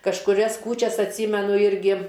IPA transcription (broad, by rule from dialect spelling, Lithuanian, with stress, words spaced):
kɐʃkʊˈrʲɛs ˈkuːt͡ʃʲɛs ɐtʲˈsʲiːmʲɛnʊ ˈɪrʲɡʲɪ